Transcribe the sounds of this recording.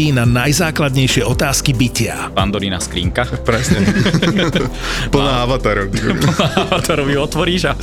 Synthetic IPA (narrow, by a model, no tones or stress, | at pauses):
iːnanajzaːklad̪ɲɛjʃɪɛɔt̪aːskibicɪa̰pand̪ɔɾinaskɾḭːŋkapɾɛsɲɛ | pl̩naaʋat̪aːɾɔʊipl̩naʋat̪aɾɔʋiɔt̪ʋɔɾiːʒa